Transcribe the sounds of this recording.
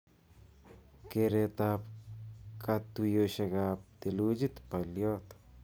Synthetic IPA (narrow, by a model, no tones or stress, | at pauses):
keɾet̪ap | kʰat̪ːujoseɡap̚t̪elud͡ʒit̪paljot̪